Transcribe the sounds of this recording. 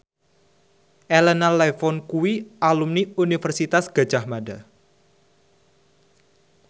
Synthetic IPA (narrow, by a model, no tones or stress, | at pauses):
ʔɛlɛnalɛfɔnkuwiʔalumniunifərsit̪asɡ̥a̤̥d͡ʒ̥ahmada